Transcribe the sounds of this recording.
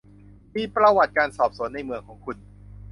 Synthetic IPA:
miː˧pɾa˧wa˨˩t̪̚kaː˧nsɔː˨˩p̚su˩˦ənːa˧jmɯ˧˩əŋkʰɔː˩˦ŋkʰu˧n

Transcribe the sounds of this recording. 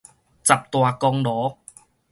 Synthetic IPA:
t͡sa˨˩p̚t̪waː˧kɔ˧ŋlɔː˨˦

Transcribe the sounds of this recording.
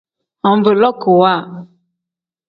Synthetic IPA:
ɔ̃˨˦be˨lɔ˦ko˨wa˦˨

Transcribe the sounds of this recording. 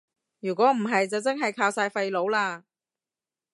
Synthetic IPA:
jyː˨˩kʷɔː˨˥m̩˨˩ɦɐ˨jt͡sɐ˨wt͡sɐ˥ŋɦɐ˨jkʰaː˧wsaː˧jfɐ˧jlo˨˥wlaː˧

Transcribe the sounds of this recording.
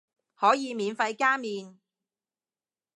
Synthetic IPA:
hɔː˨˥jiː˨˧miː˨˧nfɐ˧jkaː˥miː˨˧n

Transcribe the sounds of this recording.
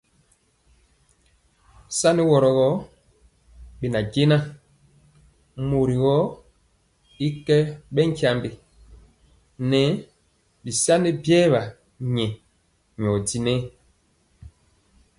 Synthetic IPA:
sa˦nɛ˦wɔ˨ɾɔ˨ɣɔ˦ | bi˨na˨ɡe˦na˦ | mo˨ɾi˨ɣɔ˦ | i˦kɛ˦ɓɛ˦ŋ˨kja˦mbi˦˨ | nɛ˨˦ | bi˨sa˦ni˦bjɛː˦βa˨ | ɲɛ˨ | ɲ˨ɔ˨di˦nɛ˦

